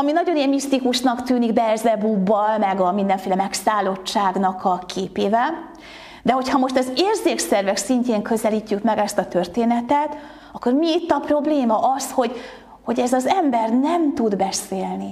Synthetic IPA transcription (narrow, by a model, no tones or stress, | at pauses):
ɒminɒɟoiɛmːist̪ikuʃnɒkt̪yːniɡbɛzɛbuːbːɒlmɛɡɒmind̪ɛɱfeːlɛmɛksaːlo̞t͡ʃːaːɡnɒkɒkʰeːpeːvɛl | d̪ɛɦo̞chɒmo̞ʃt̪ɒzeːrzeːksɛrvɛksiɲceːŋkø̞zɛliːcːykmɛɡɛst̪ɒt̪ørt̪eːnɛt̪ɛt̪ | ɒkːo̞rmiːt̪ːɒpro̞bleːmɒʔɒsho̞ɟ | ho̞ɟɛzɒzɛmbɛrnɛmt̪ud̪bɛseːlni